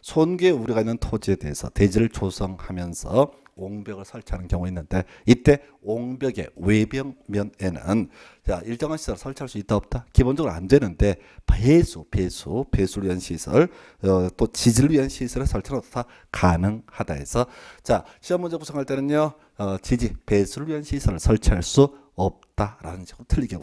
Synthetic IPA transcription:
sʰonɡeuɾiɡainːɯntʰod͡ʑie̞de̞esʰʌ̰te̞d͡ʑiɾɯɭt͡ɕosʰʌŋhamjʌnsʰʌ | oŋbjʌɡɯɭsʰʌɭt͡ɕʰanɯnkjʌŋueinːɯnde̞it͈e̞ | oŋbjʌɡe̞̰we̞bjʌŋmjʌne̞nɯ̰n | t͡ɕaiɭt͡ɕ͈ʌŋɦanɕʰi̥sʰʌɾɯɭsʰʌɭt͡ɕʰaɭs͈uit͈aʌp̚t͈akibond͡ʑʌɡɾa̰ndwe̞nɯnde̞ | pesʰupe̞sʰupesʰuɾɯɭɥiɦanɕʰisʰʌɭ | t͈ot͡ɕid͡ʑiɾɯɭɥiɦanɕʰisʰʌɾɯɭsʰʌɭt͡ɕʰanottʰa | kanɯŋhada̰e̞̰sʰʌt͡ɕaɕʰiʌmːund͡ʑʌkusʰaɦaɭt͈e̞nɯnjʌ | ʌt͡ɕid͡ʑipe̞sʰuɾɯɭɥiɦanɕʰisʰʌɾɯɭsʰʌɭt͡ɕʰaɭs͈u | ʌp̚t͈aɾanɯnɕʰiɡɯɾotʰɯɭːiɡʌ

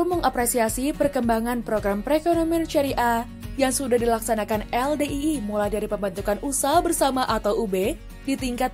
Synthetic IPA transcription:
uməŋapɾesiasipərkəmbaŋanpɾoɡɾampɾekonomint͡ʃaɾiʔa | jaŋsudahdilaksanakanɛldeʔiːmulajdaɾipəmbant̪ukanʔusabərsamaʔat̪awube | dit̪iŋkat̪̚

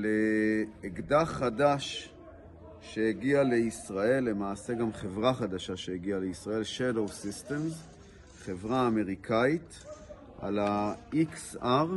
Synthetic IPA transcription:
leː | ɡdaχadaʃ | e̞eɡiale̞isʁae̞lːe̞maːse̞ɡamχevʁaχad̪aʃaʃe̞heɡiale̞isʁae̞lʃadowsist̪e̞mz | χe̞vʁaːme̞ʁikʰait̪ | ʔa̰laiksaʁ

